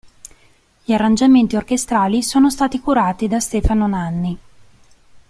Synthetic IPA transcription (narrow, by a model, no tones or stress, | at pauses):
ʎiarːand͡ʒament̪iorkest̪ɾaːlisoːnost̪aːt̪ikuɾaːt̪id̪ast̪ɛːfanonanːi